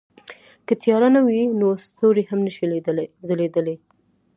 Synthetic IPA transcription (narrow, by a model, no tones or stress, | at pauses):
kət̪jɑɾanawinost̪oɾehamnəʃizəled̪əle